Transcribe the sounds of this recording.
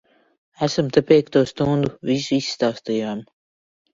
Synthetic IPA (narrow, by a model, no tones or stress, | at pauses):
æsmt̪apʲiɛk̚t̪uɔst̪und̪uvisuisːt̪awst̪iːam